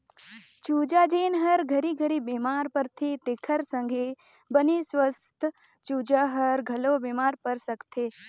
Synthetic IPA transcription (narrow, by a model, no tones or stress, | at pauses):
t͡ʃuːd͡ʒad͡ʒeːnɦɐɾɡʱɐɾiɡʱəɾibeːmaːɾpɐɾt̪ʰit̪ekʰəɾsə̃ŋɡʱe | bənisʋɐst̪ʰ | t͡ʃuːd͡ʒəɦɐɾɡʱɐloːbeːmaːɾpəɾsɐkt̪ʰeː